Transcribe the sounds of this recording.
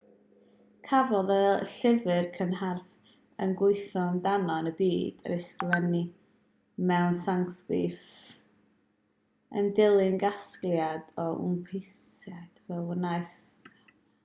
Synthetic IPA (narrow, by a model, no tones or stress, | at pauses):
kʰavɔðɛlˠɬɪvɨrkʰənɦarv | ənɡʊɨθɔndanɔnəbiːd̥ə̰ɾesklɛni | mɛwnsaŋθḭf | ə̰ndɪlˠɪnɡasklˠjadɔṵmpʰejsad̥vɛwənajs